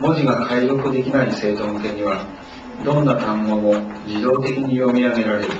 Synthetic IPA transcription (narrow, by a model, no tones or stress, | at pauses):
mo̞ʑiɡakʰaiɾo̞kɯ̟d̪e̞kʲinaise̞ːt̪õ̞nt̪e̞ɲ̟iβa | d̪õ̞nːakãmɡomod͡ʑid̪o̞ːt̪e̞kʲiɲ̟ijo̞mʲiame̞ɾaɾe̞ɾɯ̟